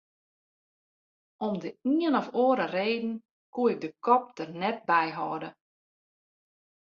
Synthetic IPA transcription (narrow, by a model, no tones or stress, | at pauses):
ɔmdəiənɔfoəɾəreːdn̩ | kuəɪk̚dəkɔp̚dərnɛt̚bɛjɦɔ̰ːdə